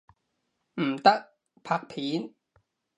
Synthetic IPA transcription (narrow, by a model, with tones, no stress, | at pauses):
m̩˨˩t̪ɐ˦˥k̚ | pʰaː˧˩k̚pʰiː˨˥n